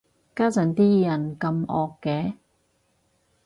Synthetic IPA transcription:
kaː˥t͡sɐ˨˥nt̪iː˥jɐ˨˩nkɐ˧mʔɔː˨kːɛː˨˥˦

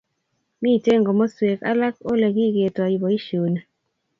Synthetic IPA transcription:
mi˦˨te˦ŋɡɔ˨mo˦swe˨ka̰˦la˦ko˦le˨ɡi˦˨ɡe˨twa˨i˨bɔ˨i˦ʃo˨na˨

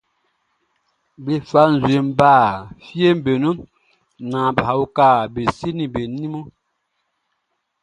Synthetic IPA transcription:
bi˨fa˦n̩˨zwe˨m˦baː˦˨fje˦m˦be˨no˦ | nã˨bha˨u˦ka˦˨be˨si˦ni˨be˨ni˦mo˦

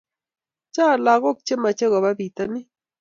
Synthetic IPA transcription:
t͡ʃa˦˨la˨ɣɔ˦k̚t͡ʃe˦ma˨t͡ʃe˦ɣɔ˨ba˦bi˨t̪ə˦nɪ˦

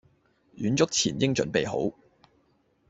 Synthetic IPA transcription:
jyː˨˥nt͡sʊ˥k̚t͡sʰiː˨˩njɪ˥ŋt͡sɵ̰˨˧˥npe˨jɦo̰˨˥w

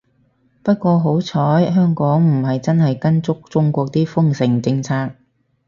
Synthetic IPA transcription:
pɐ˥t̚kʷɔː˧ɦo˨˥wt͡sʰɔː˨˥jɦœː˥ŋkɔː˨˥ŋm̩˨˩ɦɐ˨jt͡sɐ˥nhɐ˨jkɐ˥nt͡sʊ˥k̚t͡sʊ˥ŋkʷɔː˧k̚t̪iː˥fʊ˥ŋsɪ˨˩ŋt͡sɪ˧ŋt͡sʰaː˧k̚

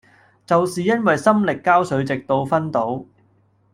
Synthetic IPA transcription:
t͡sɐ˨wsiː˨jɐ˥nwɐ˨jsɐ˥mlɪ˨kːaː˥wsɵ˨˥ɥt͡sɪ˨k̚t̪o˧wfɐ˥nt̪o˨˥w

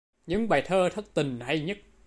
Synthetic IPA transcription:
ɲɨ̰˧˥ŋɓaː˨˩jt̪ʰəː˧t̪ʰə˦˥k̚t̪ï˨˩ŋ̟ha˧jɲə˦˥t̚

